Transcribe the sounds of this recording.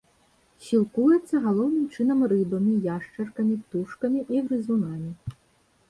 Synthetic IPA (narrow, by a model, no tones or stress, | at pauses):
ɕʲilˠkujet͡sʲːɐɦɐlˠɔwnɨmt͡ʃɪn̪ɐmrɪbɐmʲijaʂt͡ʃɐrkɐmʲiwt̪uʂkɐmʲiʔiwɾɪzunɑmʲi